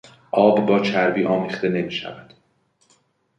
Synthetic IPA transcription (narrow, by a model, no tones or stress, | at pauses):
ʔɒːbbɒːt͡ʃʰæɾbiːʔɒːmiːχt̪e̞ne̞miːʃæ̰væd̪̥